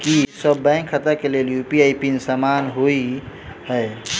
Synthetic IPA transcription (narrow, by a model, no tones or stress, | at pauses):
kisəbːɛ̃ŋkʰːət̪əkeleljupiajpinsamanɦoihəj